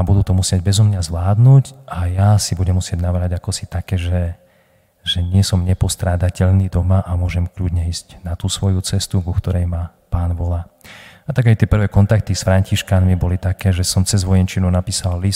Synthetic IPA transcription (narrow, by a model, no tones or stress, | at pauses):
abud̪uːt̪ɔmusɪeɟbɛzɔmɲazʋlaːd̪nuːɟʔajasibuɟɛmːusɪɛɟnaʋɾaɟakɔsit̪akɛːʒɛ | ʒɛɲɪɛsɔmɲɛpɔst̪ɾaːd̪acɛʎnid̪ɔmaʔamʊɔʒɛmkʎudɲɛiːscnat̪uːsʋɔjut͡sɛst̪uɡukt̪ɔɾɛjma | paːnʋɔlaːat̪aɡajt̪ɪɛpr̩ʋɛːkɔnt̪ak̚t̪isfɾaɲciʃkanmibɔlit̪akɛːʒɛsɔmt͡sɛzʋɔjɛnt͡ʃinɔʊnapiːsalːis